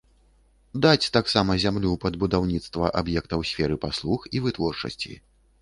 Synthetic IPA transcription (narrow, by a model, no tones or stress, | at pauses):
d̪at͡sʲt̪aksamɐzʲamlʲupɐd̪bud̪awnʲit̪st̪vɐʔabjɛk̚t̪ɐwsʲfʲɛɾɨpaslˠuxivɨt̪vɔrt͡ʂɐ̰sʲt͡sʲḭ